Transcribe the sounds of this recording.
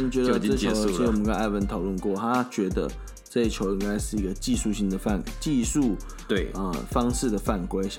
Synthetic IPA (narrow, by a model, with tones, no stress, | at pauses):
n˩t͡ɕɥɛ˧˥d̪ə˧ə˥˧˩t͡ɕjʊ˧˥i˥wɔ˨˩ə˦˥kə˥˩a˥˩wə˧˥nt̪ʰɑ˨˩ʊlwə˥˧nkwɔ˥˨t̪ʰa˥t͡ɕɥɛ˧˥d̪ə̰˧ | ʈ͡ʂɤ˥˧i˥˩t͡ɕʰjo˧˥ʊi˥ŋka˥ɪʂɻ̩˥˩i˧˥ɡə˧t͡ɕi˥˧ʂu˥˩ɕi˥ŋd̪ə˨˩fa̰˥˩nt͡ɕi˥˧ʂu˥˩˧ | ə˧fɑ˥ŋʂɻ̩˥˩d̪ə˩fa˥˩nkwe˥ɪɕ